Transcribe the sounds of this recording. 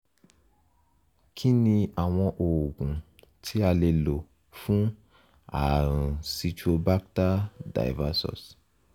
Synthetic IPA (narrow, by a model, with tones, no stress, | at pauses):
kʰĩ˦nĩ˧a˨w̃ɔ̃˧ʔo˨ɡũ˨ | tʰi˦a˧le˧lo˨ | fũ˦ | a̰˨ɾ̃si˧t͡ʃu˦o˧ba˦k̚ta˦da̰˨jva˧˦sɔ̰˨s